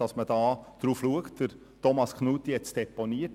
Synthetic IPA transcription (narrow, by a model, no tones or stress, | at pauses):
ɑsməd̥ɑːd̪̥ɾuːfluəktd̥əɾ | tɔmɑskʰnuːt̪ːijɛt͡sd̥ɛponiət